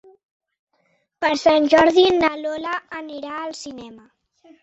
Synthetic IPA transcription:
pəɾsanʲʒɔɾðinəlɔlaəniɾaəlˠsinɛmə

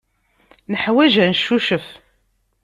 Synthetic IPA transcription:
nəħwæʒænəʃːuʃəf

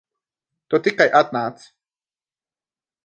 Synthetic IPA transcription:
t̪ot̪iqajʔat̪naːt͡s

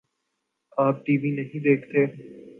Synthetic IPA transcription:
aːp̚ʈiːʋinɐɦĩd̪eːkʰt̪eː

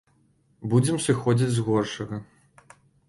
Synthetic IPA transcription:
bud͡zʲɛmsɨxɔd͡zʲit͡sʲzɣɔrʂɐɣɐ

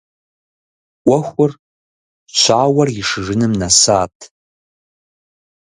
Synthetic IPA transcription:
ʔʷɔxʷʊr | t͡ʃʷʰaːwɐrɪʂɨʐɨnɨmnasaːtʼʰ

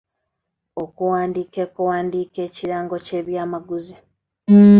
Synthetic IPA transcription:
o̞kuwaːndiːkekuwaːndiːke̞ːciɾaːŋɡo̞ce̞ːβjaːmaɡuzi

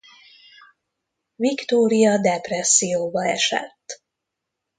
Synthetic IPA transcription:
vikt̪oːɾijɒd̪ɛprɛsːijoːbɒɛ̰ʃɛ̰t̪ː

